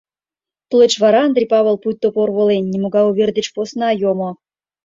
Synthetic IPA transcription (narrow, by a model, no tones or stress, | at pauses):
plet͡ɕβɑɾɑːnd̪rʲipɑβelˠput̪ːoporβolenʲːimoɡɑuβʲerd̪et͡ɕposnɑjomo